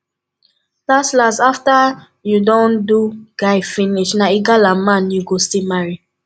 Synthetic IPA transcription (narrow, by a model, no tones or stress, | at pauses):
daslasafta | judɔ̃nduɡ̥aɪfiniʃnaiɡalamãnjuɡostilmaɹi